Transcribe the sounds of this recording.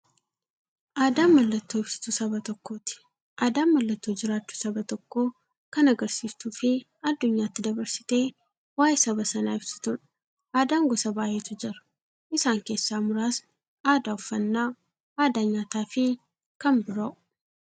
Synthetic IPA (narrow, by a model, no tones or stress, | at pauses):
ʔaːd̪aːmːɐlːɐt̪ːoːɪb̥sɪ̥t̪ʊsɐbɐt̪ɔkːo̞ːt̪ɪ̥ | ʔaːd̪aːmːɐlːɐt̪ːoːd͡ʒɪɾaːt͡ʃːʊ̥sɐbɐt̪ɔkːo̞ː | kɐnɐɡɐɾsiːst̪uːfɪ | ɐd̪ːʊɲːaːt̪ːɪd̪ɐbɐɾsɪ̥t̪e̞ː | waːjsɐbɐsɐnaːɪbsɪ̥t̪ʊnɐ | ʔaːd̪aːŋɡɔsɐbaːʔe̞ːt̪ʊd͡ʒɐɾʊ̥ | ʔɪsaːŋke̞ːsːaːmʊɾaːs | ʔaːd̪aːʊfːɐnːaː | aːd̪aːɲːaːt̪aːfɪ | kɐmbɪɾɐʔʊ